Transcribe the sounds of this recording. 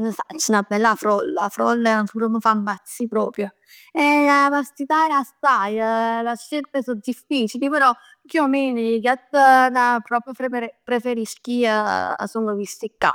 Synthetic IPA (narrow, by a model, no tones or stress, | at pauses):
nsat͡ʃːɛnabːɛlːafɾɔlːafɾɔ̰lːant̪uɾoməfamːat̪sːipɾɔːpɾjo | ɛapast̪it̪aɛlast̪ajəlaʃːelt̪esod̪ifːiːt͡ʃilipeɾɔ | kiomenikat̪ːənapɾɔpɾjopɾepeɾpɾefeɾiskia̰sunəvist̪ikːa̰